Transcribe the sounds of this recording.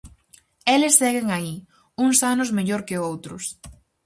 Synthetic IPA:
elɪsːɛɣɪŋai | uŋsanʊzmeʎoɾkɪowt̪ɾʊs

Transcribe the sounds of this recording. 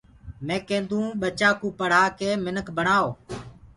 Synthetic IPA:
mẽːkẽːnd̪ũːɓət͡ʃaːkũːpəɽ̤aːkeːmɪnəkʰbəɳaːoː

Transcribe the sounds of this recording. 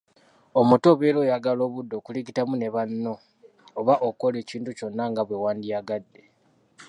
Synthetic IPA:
omuto̞ːβelo̞ːjaɡalo̞ːβudːo̞kuliɡitamune̞βanːo̞ː | βaʔoko̞le̞ːciːntuco̞nːaŋɡaβwe̞waːndiaɡadːe̞

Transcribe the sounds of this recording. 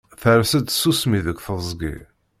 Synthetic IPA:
θəɾsəd̪sːusmiðəkːθəˤzˤɡḭ

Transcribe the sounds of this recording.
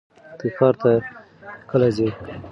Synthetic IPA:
t̪ikɑɾt̪a | kəlazi

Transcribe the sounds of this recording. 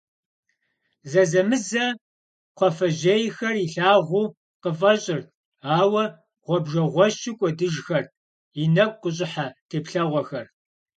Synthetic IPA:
zɐzɐmɨzɐ | qʷʰɔfɐʑeːjxɐriɬaːʁʷuː | qəfʼɐɕʼɪr | aːwɐ | ʁʷɔbʒɐʁʷɔɕɪkʷʼɔdɨʒxɐr | inɐk̚ʷʼqʷʊɕ̬ʼɪħatʰeːpɬɐʁʷɔxɐr

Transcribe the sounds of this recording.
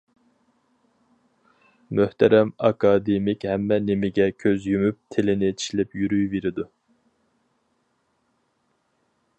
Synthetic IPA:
møht̪ʰɛɾɛmɑkʰɑːd̪emɪkʲhɛmːɛnemɪɡʲɛkʲʰøzjymyp̚t̪ʰelɪnɪt͡ʃʰi̥ʃlɪpjyɾyjveɾɪd̪u

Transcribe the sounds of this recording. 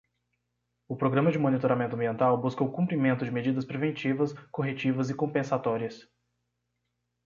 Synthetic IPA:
ʊpɾoɡɾɐ̃mɐd͡ʒɪmõnit̪oɾamẽnt̪ʊɐ̃biẽnt̪awbuskowʊkũmpɾimẽnt̪ʊd͡ʒɪmed͡ʒid̪ɐspɾevẽnt͡ʃivɐskoɦet͡ʃivɐzɪkõmpẽsat̪ɔɾiɐs

